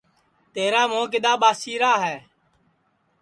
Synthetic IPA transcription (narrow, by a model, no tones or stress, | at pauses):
t̪eːɾaːmõːkɪɗ̪aːɓaːsiːɾaːɦɛː